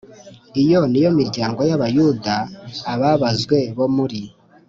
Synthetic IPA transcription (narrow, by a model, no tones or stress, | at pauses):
ijo̞nijo̞miɾɟaːŋɡo̞jaβajuːdaːβaβazɡwe̞βo̞muɾi